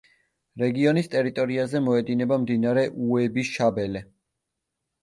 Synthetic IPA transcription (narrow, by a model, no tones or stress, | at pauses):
ɾɛɡiɔnist̪ʼɛɾit̪ʼɔɾiazɛmɔɛd̪inɛbamd̪inaɾɛʔuɛbisʃabɛlɛ